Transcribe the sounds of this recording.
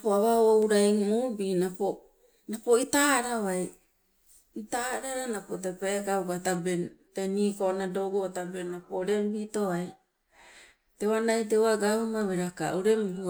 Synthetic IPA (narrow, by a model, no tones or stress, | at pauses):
poaβaowɾajŋmubinapo | napo̞itaːɾaβaj | itaɾaɾanapot̬epakaukatabenteniːkonadoɡoatabenːapoɾe̞mbitoβaj | tewanajt̬ewaɡaumaβeɾaka̰uɾe̞mɡu